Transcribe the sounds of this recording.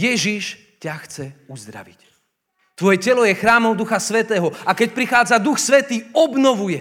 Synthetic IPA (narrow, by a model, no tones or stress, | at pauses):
jɛʒiʃ | caxt͡sɛuzd̪ɾa̰ʋic | t̪ʋɔjɛcɛlɔjɛxɾaːmɔʊd̪uxasʋɛt̪ɛːɦɔakɛc̚pɾixaːd͡zad̪uxsʋɛt̪iːɔbnɔʋujɛ